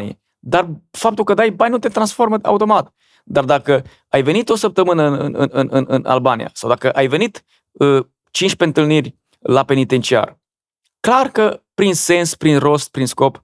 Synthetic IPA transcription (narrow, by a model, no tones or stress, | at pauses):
nijḛ | d̪arfap̚t̪ulkəd̪ajbanʲnut̪e̞t̪ɾansfo̞rməa̰ut̪o̞mat̪ | d̪ard̪akə | ajve̞nit̪o̞səp̚t̪əmɨnəɨ̰nɨ̰nɨnɨnɨ̰na̰lbanḭja̰sawd̪akəʔajve̞nit̪ | ə | t͡ʃint͡ʃʲpe̞ɨnt̪ɨlnirʲ | lape̞nit̪e̞nt͡ʃia̰r | klarkəpɾinse̞nspɾinro̞st̪̚pɾinsko̞p